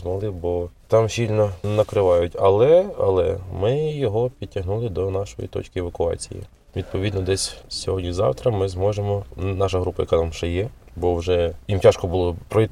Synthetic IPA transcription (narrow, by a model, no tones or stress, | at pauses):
zmɐlˠɪbɔt̪ɑmɕʲilʲnɔnɐkɾɪʋɑjʊtʲɐlˠɛɐ̰lˠɛ̰mɪjɔɦɔpʲid̪̚ʲtʲːɐɦnulˠɪd̪ɔnɑʃɔ̰jḭt̪ɔ̰t͡ʃkɪeʋɐkʊɑ̰t͡sʲḭjḭ | ʋʲid̪̚pɔʋʲid̪nɔd̪ɛsʲsʲɔɦɔdʲnʲizɑ̰wt̪ɾɐmɪzmɔʒemɔnɑʃɐɦɾupɐjɐ̰kɑt̪amʃɛjɛ | bɔwʒɛjimtʲaʃkɔbulˠɔpɾɔ